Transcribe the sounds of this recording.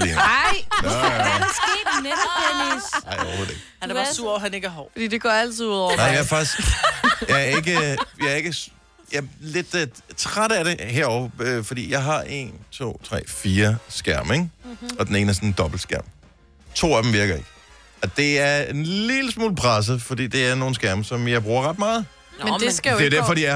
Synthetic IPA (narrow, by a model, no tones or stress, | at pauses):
en | sɡ̥e̥nespʰeninɑ̈ɪɒʊ̰ped̥e̥ | hænæɑsuɐɦæne̝ɡ̥əæɐɦɒːfɒd̥ḭd̥e̝ɡ̥ɔæl̰t͡sʰiðˠuð̰ˠɒ̰ɐnɑɪjɑæɐfɑ̈ɡ̥isɡ̥jɑ̈ɪæɐe̝ɡ̥əjɑæɐe̝ɡ̥ə | jɑle̝d̥t͡sʰʁad̥əæɾ̥e̝ɦeɐɒʊɐøfɒ̽d̥ḭːjɑ̈ɪɦɑ̈ʔe̝̰nt͡sʰo̝̰ːt͡sʰʁɛ̰ːfiːɐsɡ̥æɐ̰meɡɒ̽d̥en̩e̝ːnəæsɔnd̥ɒ̽b̥l̩d̥sɡ̥æɐ̰m | t͡sʰo̝̰ːæd̥em̩ʋiɐɡ̥ɐe̝ɡ̥ | ɒ̽d̥e̝æɐenliːləsmo̰ːlpʰʁas̬əfɒ̽d̥ḭːd̥eæɐno̝ːn̩sɡ̥æɐ̰məsɒ̽mjɑ̈ɪb̥ʁuːɐʁɑd̥mɑ̈ːð̩ˠ | medesd̥eʊdæɐfɒd̥iæ